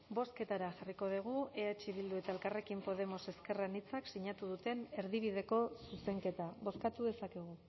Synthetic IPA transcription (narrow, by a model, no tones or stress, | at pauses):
bo̞ske̞t̪aɾaʝariko̞ð̞iɣ̞ueat͡ʃiβild̪ue̞t̪ae̞lkare̞kimpo̞ð̞e̞mo̞se̞ske̞ranit͡saksiɲat̪uðut̪e̞ne̞ɾðiβ̞iðe̞ko̞suse̞ŋke̞t̪aβo̞skat̪uðe̞sake̞ɣ̞u